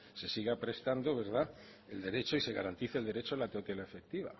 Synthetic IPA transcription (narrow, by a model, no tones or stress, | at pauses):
se̞siɣapɾe̞st̪and̪oβe̞ɾð̞a | e̞ld̪e̞ɾe̞t͡ʃo̞ise̞ɣaɾant̪iθeld̪e̞ɾet͡ʃolat̪eot̪jelaefe̞k̚t̪iβ̞a̰